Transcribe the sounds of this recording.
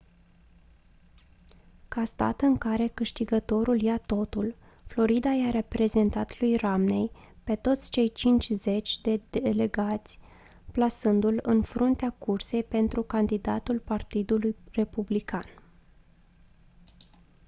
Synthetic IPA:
kast̪a̰t̪ɨŋkaɾe̞kɨʃt̪iɡət̪o̞ɾuljat̪o̞t̪ul | flo̞ɾid̪ajaɾepɾe̞ze̞nt̪at̪lujramne̞j | pe̞t̪o̞t̪sʲt͡ʃe̞jt͡ʃint͡ʃʲze̞t͡ʃʲd̪e̞d̪ele̞ɡat̪sʲ | plasɨnd̪ulɨnfɾunt̪eakurse̞jpe̞nt̪ɾukand̪id̪a̰t̪ulpart̪id̪ulujre̞publikan

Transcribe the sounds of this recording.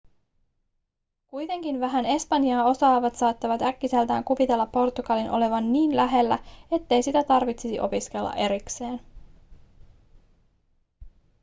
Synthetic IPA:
kujt̪e̞ŋkinʋæɦæne̞spɑnjɑːo̞sɑːʋɑt̪sɑːt̪ːɑʋɑt̪ækːise̞lt̪æ̰ːŋkuʋit̪e̞lːɑpːo̞rt̪uɡɑlinʔo̞̰le̞ʋɑnːiːnlæɦe̞lːæ̰e̞t̪ːe̞jsit̪æt̪ɑrʋit̪sisḭʔo̞piskelːɑ̰ʔe̞ɾikse̞ːn

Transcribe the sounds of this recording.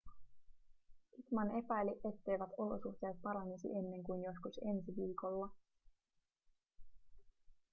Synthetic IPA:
it̪mɑne̞pæjleʔe̞t̪ːe̞jʋæt̪o̞lo̞̰suxt̪e̞ːt̪̚pɑɾɑnisḭʔe̞nːe̞ŋkujnjo̞skuse̞nsiʋiːko̞lːɑ

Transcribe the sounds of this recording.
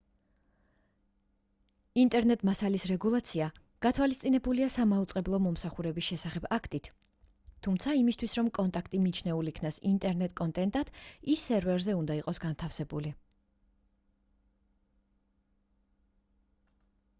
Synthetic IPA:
int̪ʼɛɾnɛt̪ʼmasalisɾɛɡulˠat̪sʰia | ɡ̥at̪ʰwalist̪sʼinɛbuliasamaut̪sʼqʼɛblˠɔmɔmsaχuɾɛbisʃɛsaχɛbakʰt̪ʼit̪ʰː | umt̪sʰaimist̪ʰwisɾɔmkʼɔnt̪ʼakʰt̪ʼimit͡ʃʰnɛulikʰnasint̪ʼɛɾnɛt̪ʼkʼɔnt̪ʼɛnt̪ʼad̪̥isːɛɾvɛɾzɛund̪aiqʼɔsɡant̪ʰafsɛbuli

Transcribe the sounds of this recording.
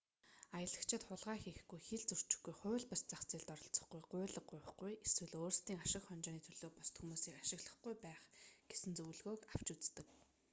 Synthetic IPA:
ajə̆ɮə̆kt͡ɕʰɪ̆t̪χʊɮʁaːxiːxɡujxeɮt͡sur̥t͡ɕɪ̥̆xɡujχʊːɮpast͡saxt͡siːɮt̪ɔɾɞ̆ɬt͡sɞ̥̆χɡujɢʊːɮə̆qʊ̟jχɡujeswɘ̆ɮoːrst̪iːŋaʃɪ̆kχɔnt͡ɕɔːniːt̪ʰɵɮ̥oːpɔst̪ʰumuːsiːkaʃɪ̆ɣɮə̆χɡujpæːχɡ̥esɘ̆nt͡sɵwɮɣoːkaw̥t͡ɕut͡st̪ɘ̆k

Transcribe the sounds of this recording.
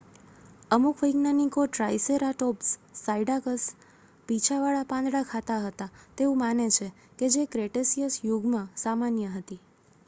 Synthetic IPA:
əmukʰʋəjɡnanikoʈɾajseɾaʈɔpsːaiɖakəs | pit͡ʃʰaʋaɭapãnd̪ɽakʰat̪aɦət̪at̪eũmanet͡ʃʰe | ked͡ʒekɾeʈesijəsjuɡmãsamanjəɦət̪i

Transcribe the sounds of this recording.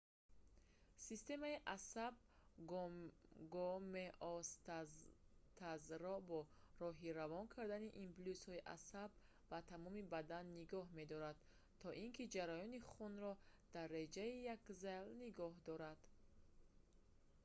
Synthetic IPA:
sist̪e̞maiʔasab̚ | ɡɔmeʔɔst̪ | t̪ʰazɾɔbɔɾɔɦiɾavɔnkʰaɾd̪aniʔimplushɔiʔa̰sabː | at̪ʰamɔmibad̪anːiɡɔɦme̞d̪ɔɾad̪ | t̪ʰːɔʔiŋkʰid͡ʒaɾajɔniχunɾɔd̪̥arːed͡ʒaijakzalniɡɔɦd̪ɔɾad̪̥

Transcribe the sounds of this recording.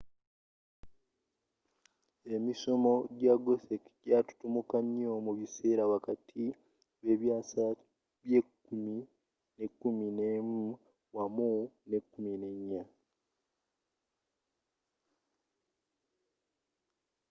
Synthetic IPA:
e̞miso̞mo̞ɟaɡosekɟatu̥tumukaɲomuβise̞ːɾaβakatʰi | βe̞βjaːsa | βjekːumi | ne̞kːuminemu | wamune̞kːumine̞ɲːa

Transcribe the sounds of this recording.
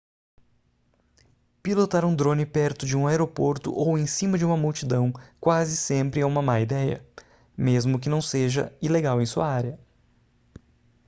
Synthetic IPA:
pilot̪aɾũd̪ɾõnɪpɛɾt̪ʊd͡ʒɪũaeɾopoɾt̪ʊ̰ʔowẽj̃sĩmɐd͡ʒɪũmɐmuwt͡ʃid̪ɐ̃w̃kwazɪsẽmpɾɪaũmɐmaid̪ɛjɐ̰ | mezmʊk̬ɪnɐ̃w̃seʒɐ̰ileɡawẽj̃suɐaɾjɐ

